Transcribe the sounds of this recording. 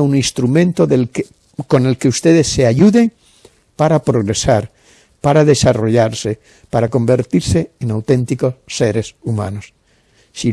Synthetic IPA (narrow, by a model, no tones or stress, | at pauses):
uŋĩnst̪ɾumẽnt̪oðel | ko̞ne̞lkeust̪eðesːeaʎuðe̞ŋ | paɾapɾo̞ɣɾesaɾ | paɾaðe̞saro̞ʎaɾse | paɾako̞mbe̞ɾt̪iɾseːnawt̪ẽnt̪iko̞sːeɾesumã̰nos | si